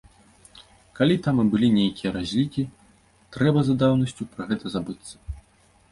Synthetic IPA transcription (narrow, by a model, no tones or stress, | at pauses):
kalʲit̪ambɨlʲinʲejkʲijɐɾazʲlʲikʲi | t̪ɾɛbɐzad̪awnɐsʲt͡sʲupɾɐɣɛt̪ɐzabɨt̪sːɐ̥